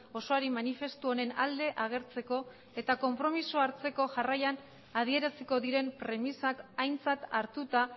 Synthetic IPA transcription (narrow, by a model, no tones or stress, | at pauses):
o̞so̞aɾimanife̞st̪uone̞nald̪e̞ʔaɣ̞e̞ɾt͡se̞ko̞ | e̞t̪ako̞mpɾo̞misuaɾt͡se̞ko̞ʝarajan | að̞ie̞ɾasiko̞ðiɾe̞mpɾe̞misakajnt͡sat̪aɾt̪ut̪a